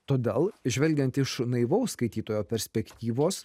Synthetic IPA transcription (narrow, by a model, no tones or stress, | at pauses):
t̪oːd̪ʲeːlˠʒʲʋʲɛlʲɡʲɛnt̪ɪʃnɐɪʋɐʊsskɐɪt̪ʲiːt̪oːjoːpʲɛɾʲsʲpʲɛkt̪ʲiːʋoːs